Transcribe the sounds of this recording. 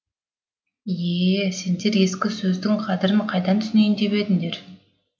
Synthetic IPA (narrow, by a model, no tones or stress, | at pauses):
jese̞nd̪e̞ɾe̞skʲɪsɵzd̪ɪŋqʰɑd̪ɪɾɪmqʰɑjd̪ɑnt̪ʰʏsɪne̞jnd̪e̞βe̞d̪ɪŋd̪e̞ɾ